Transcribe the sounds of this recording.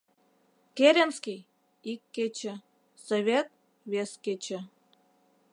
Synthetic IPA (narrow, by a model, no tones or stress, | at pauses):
keɾʲenskʲij | ikːet͡ɕĕ | soβʲet̪̚ | βesket͡ɕĕ